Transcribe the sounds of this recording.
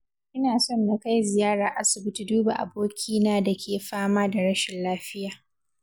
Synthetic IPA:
ʔɪ˦naː˨sɔ˦nːa˨ka˦jzɪ˨jaː˦ɽa˨ʔa˦sʊ˨bɪ˦tu˨duː˦ba˨ʔa̰˨boː˦kʲʰiː˦naː˦da˨kʲʰeː˨ɸaː˦maː˦da˨ɽɐ˦ʃɪ˨nlaː˦ɸɪ˦jaː˨

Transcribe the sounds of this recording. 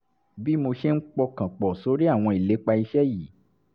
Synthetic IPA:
bi˦mo˧ʃɛ˦n̩˦k͡pɔ˧kã˨k͡pɔ˨so˨˦ɾi˦a˦˨w̃ɔ̃˧i˨le˨˦k͡pa˧i˧ʃɛ˦ji˦˨˦

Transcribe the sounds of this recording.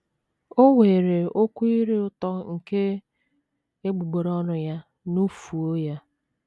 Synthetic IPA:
o˦ŋʷeː˨ɾe˨o˦kʷu˦i˦ɾe˦ʊ˦tɔ˦ŋ̩˨ke˦ | e˦ɡ͡bu˨ɡ͡bo˨ɾɔ˦nʊ˨ja˦ | nu˦fu˨o˦ja˦

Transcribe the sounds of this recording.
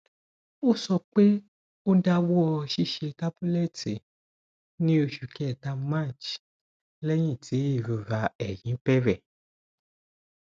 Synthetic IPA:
o˦˨sɔ˧k͡pe˦ | o˦da˦wo˦ɔ˧ʃi˦˨ʃe˧ta˦bu˦lɛ˦˨te˨ | nĩ˦o˧ʃu˨kɛ˨ta˧mã˦˨t͡ʃ | lɛ˦j̃ĩ˦˨tʰi˨˦i˦˨ɾo˨ɾa˧ɛ˨jĩ˨˦pɛ˦ɾɛ˦˨

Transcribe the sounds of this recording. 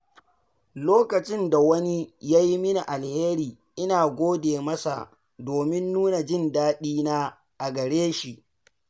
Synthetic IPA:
loː˦kɐ˨t͡ʃɪ˦nda˨wɐ˦ni˦jaː˦ji˦mɪ˦na˨ʔa˨lheː˦ɾiː˨ | ʔɪ˦naː˨ɡʷoː˦deː˨mɐ˦sa̰˨ | doː˨mɪ˦nːuː˦na˨d͡ʒɪ˦ndaː˦ɗiː˦naː˦ | ʔa˨ɡɐ˨ɽeː˦ʃi˨ʔ

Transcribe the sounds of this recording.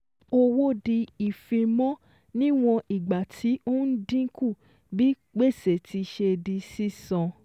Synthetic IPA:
o˧wo˦di˧i˨fĩ˧mɔ̃˦ | nĩ˦w̃ɔ̃˧ʔi˨ɡ͡ba˨tʰi˨˦o˦n̩˦dĩ˦ku˦˨ | bi˦ | k͡pe˦˨se˨ti˧ʃe˧di˧si˦sɔ̃˧

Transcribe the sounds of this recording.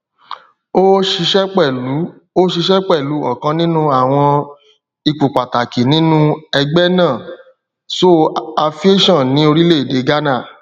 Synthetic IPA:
o˦ʃi˧ʃɛ˦k͡pɛ˦˨˦ | o˦ʃi˧ʃɛ˦k͡pɛ˦˨lu˨˦ɔ̰˦˨kã˧˦nĩ˦nũ˦a˨w̃ɔ̃˧ | i˨˧k͡pu˨k͡pa˨ta˨ki˨nĩ˦nũ˦ɛ˧ɡ͡bɛ˦nãː˦˨ | so˦a˧fi˦e˦ʃɔ̃˦˨nĩ˨˦o˧ɾi˦le˦˨de˨˦ɡa˦na˦˨

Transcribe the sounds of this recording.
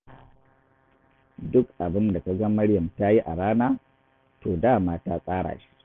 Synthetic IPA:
dʊ˦kʔa˨bɪ˦nda˨ka˦ɡa˦mɐ˦ɽjɐ˨mta˦ji˦ʔa̰˨ɽaː˦naː˦ | toː˨daː˦˨maː˦ta˦sʼaː˦ɽa̰ː˨ʃi̥˦

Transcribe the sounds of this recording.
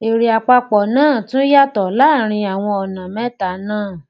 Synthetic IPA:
e˨ɾi˨a˨k͡pa˧k͡pɔ˨nãː˦˨tũ˦ja˦tɔ˨la˦˨ɾ̃ĩ˧a˨w̃ɔ̃˧ɔ˨nã˨mɛ̃˦ta˨˦nãː˦˨

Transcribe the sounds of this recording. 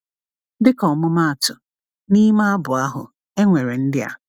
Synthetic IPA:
dɪ˦kɔ˨mʊ˦ma˦a˨tʊ˨ | ni˦ma˦a˦bʊ˨a˦ɦʊ̰˨ | e˦ŋʷe˨ɾe˨n̩˦dɪ˦a̰˨

